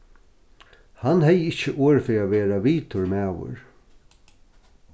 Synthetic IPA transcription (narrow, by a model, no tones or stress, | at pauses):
hanhɛjɪht͡ʃːəʔoːɹfɪaʋeːɾaʋiːt̪ʰʊɹmæːʋʊ̰ɹ